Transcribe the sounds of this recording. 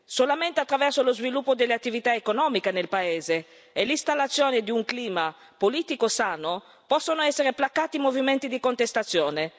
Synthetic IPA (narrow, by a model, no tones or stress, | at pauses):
solament̪eat̪ːɾavɛrsolozvilupːod̪elːeat̪ːivit̪aekonɔːmikenelpaeːzeː | list̪alːat̪sːjoːned̪iuŋkliːma | poliːt̪ikosaːno | pɔsːonoɛsːeɾeplakːaːt̪imoviment̪id̪ikont̪est̪at̪sːjɔːne